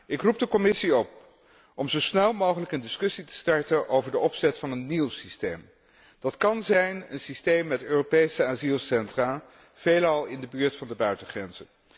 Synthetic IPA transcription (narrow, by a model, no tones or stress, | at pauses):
ɪkrup̚dəkɔmɪsiɔp̚ | ʔɔmzowsnɛlˠmowχələkəndɪskɵsitə̥stɑɹtənʔowvəɹdəʔɔpsɛtfɑnənːilˠsistejm | d̥ɑtkɑnzɛjnə̰nsistejmːɛtøːropejsəaːzilˠsɛntraː | v̥ejlɑlˠɪndəbyːɹtfɑndəbœɥtəχrɛnz̥ən